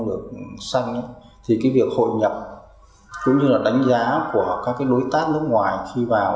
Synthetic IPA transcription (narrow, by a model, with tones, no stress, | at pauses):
ɗɨ˨˩ək̚sa˧jŋ̟ʔə˨˦j | t̪ʰi˨˩kaː˨˦jvi˨˩ək̚ho̰˧˨jɲə˨˩p̚ | kʊ̰˧˥ŋ͡mɲɨ˧laː˨˩ɗa˨˦jŋ̟zaː˨˦ku˧˩əkaː˦˥kːaː˨˦jɗo˨˦jt̪aː˦˥t̚nɨ˦˥ək̚ŋwaː˨˩jxi˧vaː˨˩w